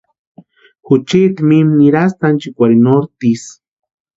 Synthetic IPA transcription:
xut͡ʃit̪imimniɾast̪ant͡ʃikʷaɾinoɾt̪is

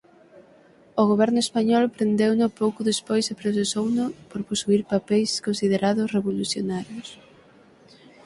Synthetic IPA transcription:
ʊɣ̞oβ̞ɛɾnʊespaɲɔlpɾend̪ewnʊpowkʊðespojsepɾos̬esownʊpoɾposuiɾpapɛjskonsið̞eɾaðʊsreβoluθjonaɾjʊs

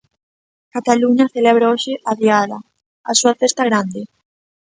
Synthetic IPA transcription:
kat̪aluɲaθeleβ̞ɾaoʃɪʔaðjala̰ | asuafest̪aɣɾand̪ɪ

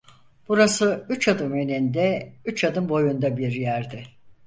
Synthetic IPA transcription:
b̥uɾasɯyt͡ʃad̪ɯmønind̪ɛyt͡ʃad̪ɯmbo̞jund̪abiɾjæɾd̪ɪ

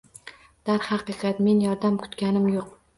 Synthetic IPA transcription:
d̪̥aɾhɑqɨqʰɑt̪me̞njɒɾd̪amkʰʊ̥t̪kʲanɪmjoq

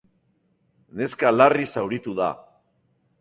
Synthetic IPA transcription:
ne̞skalarisawɾit̪uða̰

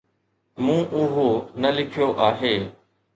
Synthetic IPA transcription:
mũːʔʊɦoːnəlɪkʰɪjoːʔaːɦeː

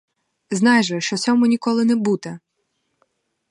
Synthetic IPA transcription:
znɑjʒɛʃt͡ʃɔt͡sʲɔmʊnʲikɔlˠɪnɛbut̪ɛ

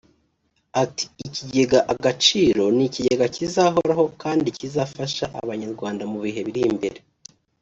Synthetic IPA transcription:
ati̥ːciɟe̞ɡaʔaɡat͡ʃiːɾo̞niciɟe̞ɡacizaɦo̞ɾaɦo̞kaːndicizafaʃaʔa̰βaɲaɾɡwaːndamuβiɦe̞βiɾimbe̞̰ɾe̞

